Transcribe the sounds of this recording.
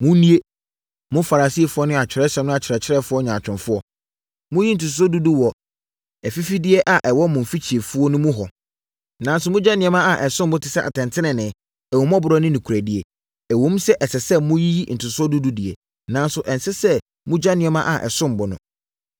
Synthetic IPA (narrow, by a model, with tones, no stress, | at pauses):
mʊ̃˦nĩ˦e˦ | mʊ̃˦fa˨ɾa˨si˦˨fʊ˦ɔ˦nʊ̃˦a˨t͡ɕᶣʰɪ˨ɾɛ˦ɕɛ˦mnʊ̃˦a˨t͡ɕʰɪ˨ɾɛ˨t͡ɕʰɪ˦ɾɛ˦fʊ˦ɔ˦ɲã˨t͡ɕᶣɪ̃˨nfʊ˦ɔ˦ | mʊ̃˦ji˦n̩˨tʰʊ˨ts̬ɔ˦du˦du˦wɔ˨ | ɛ˨fi˦fi˦dɪ˦ɛ˦ʔa˨ʔɛ˨wɔ˦mʊ̃˨m̩˨fi˦t͡ɕʰi˨e˨fu˦ɔ˦nʊ̃˦mʊ̃˦ɦɔ˨ | nã˨˦n˦sʊ˨mʊ̃˦d͡ʑa˦nɪ̃˨ɛ̃˨˦mã˦a˨ʔɛ˨sʊ̃˦m˨bʊ˦tʰɪ˨sɛ˦ʔa̰˨tʰɛ̃˨ntʰɪ̃˦nɪ̃˨nɪ̃˨ | ɛ˨wɔ˨˦m˦ɔ̃˦bʊ˨ɾɔ˦nɪ̃˦nĩ˨kʰu˨ɾæ˨dɪ˦e˨ | ɛ˨wõ˨˦m˦sɛ˦ʔɛ˨sɛ˨sɛ˦mʊ̃˦ji˦ji˦n̩˨tʰʊ˨sʊ˦ɔ˦du˦du˦di˨e˨ | nã˦n˦sʊ˨ʔɛ̃˨nsɪ˦sɛ˦ | mʊ̃˦d͡ʑa˦nɪ̃˨ɛ˦mã˦ʔa˨ʔɛ̰˨sʊ̃˦m˨bʊ˨˦nʊ̰̃˦